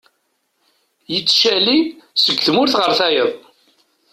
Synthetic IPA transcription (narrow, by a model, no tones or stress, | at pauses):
jət͡sːʃælisəɡʷːθmʊɾθʁəɾθæjəðˤ